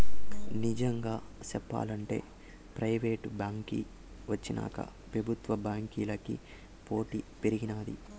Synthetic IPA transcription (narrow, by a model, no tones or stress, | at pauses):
nid͡ʒɐŋɡaːsɛpːa̰ːlɐɳʈe̞̰ː | pɾɐjʋeːʈbaːŋkḭ | ʋɐt͡ʃːina̰ːkɐ̰pɾɐbʱut̪ʋɐbaːŋkiːlɐkḭ | po̞ːʈipeɾiɡinaːd̪i